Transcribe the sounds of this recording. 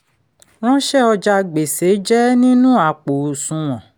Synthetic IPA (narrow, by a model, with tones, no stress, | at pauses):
ɾ̃ɔ̃˦ʃɛ˦ɔ˧d͡ʒa˧ɡ͡be˨se˨˦d͡ʒɛ˦nĩ˦nũ˦a˦˨k͡po˨sũ˧w̃ɔ̃˨